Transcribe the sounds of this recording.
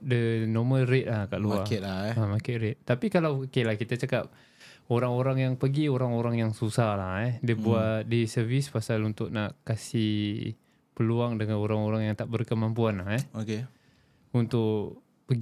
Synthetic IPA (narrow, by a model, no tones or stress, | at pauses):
dənoməlret̪̚lahkaʔluaaamakɪʔɾɛt̪ːapikalawkelahkit̪at͡ʃakap̚ | oɾaŋoɾaŋjaŋpəɡioɾaŋoɾaŋjaŋsusahlahɛdiəbuadisərvispasalunt̪ʊʔ̚naʔkasih | pəluaŋdəŋanoɾaŋoɾaŋjaŋt̪aʔbərkəmampuanlahɛoke | unt̪ʊʔ | pəɡ